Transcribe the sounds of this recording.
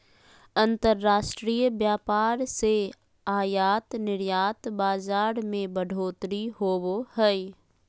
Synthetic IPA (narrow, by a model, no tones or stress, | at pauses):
ə̃nt̪əɾːaːʃʈɾiːjbjaːpaːɾse | aːjaːt̪nɪɾjaːt̪baːd͡ʒaːɾmẽbəɖʱoːt̪ɾiɦoːbohɛi